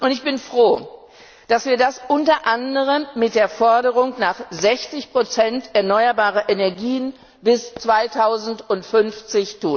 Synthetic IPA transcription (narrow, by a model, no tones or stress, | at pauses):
ʔʊntɪçb̥ɪnfʁ̥oː | d̥asv̥iːɐdasʔʊntɐʔandəʁəmːɪt̚d̥eːɐfɔɐɾəʁʊŋnaːχzɛçt͡sɪçpʁ̥ot͡sɛntʔɛɐnɔʏɐbaːʁɐʔenɛɐɡiːən | bɪst͡sv̥aɪtʰaʊzn̩tʊntfʏnft͡sɪçtʰuːn